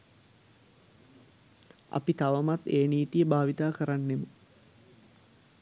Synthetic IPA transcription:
a̰pit̪aʋəmat̪eːniːt̪ijəbaːʋit̪aːkəɾanːemə

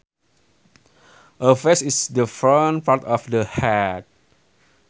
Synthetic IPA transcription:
ʔəfesisdəfɔnpaɹtɔfdəhɛt̚

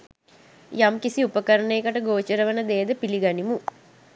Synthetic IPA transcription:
jamkisiupəkəɾənejːkəʈəɡoːt͡ʃəɾəʋənəd̪eːəd̪əpiliɡanimu

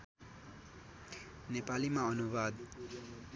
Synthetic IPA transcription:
nepalimaʌnubad̪

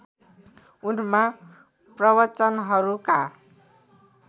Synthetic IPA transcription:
unma | prʌβʌt͡sʌnɦʌɾuka

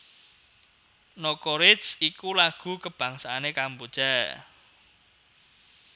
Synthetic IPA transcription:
nokoɾɪsikulaɡ̥ṳkəb̥ä̤ŋsaːnekambud̥ʒ̥a

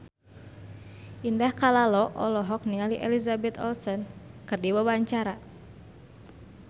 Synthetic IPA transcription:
ʔindahkalalɔʔɔlɔɦɔk̚niŋaliʔɛ̰lizabɛt̪ɔ̰lsɔnkɨrdiwawaɲt͡ʃaɾa

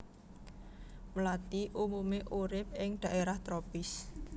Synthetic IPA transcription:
məlat̪iʔumumeʔuɾɪp̚ɪŋd̪̥a̤ʔeɾaht̪ɾopɪs

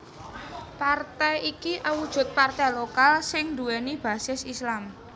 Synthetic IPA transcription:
part̪ɛjikiʔawud̥ʒ̥ʊ̤t̪̚part̪ɛjlokalsɪŋd̪uɛnib̥a̤sɪsislam

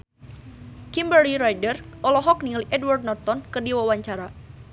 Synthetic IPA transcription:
kimbəɾiɾajdərɔlɔɦɔk̚niŋliʔɛdward̚nɔrt̪ɔnkərdiwawaɲt͡ʃaɾa

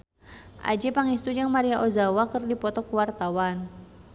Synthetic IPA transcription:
ʔa̰d͡ʒipaŋist̪ud͡ʒaŋmaɾiaʔozawakərdipɔt̪ɔkuwart̪awan

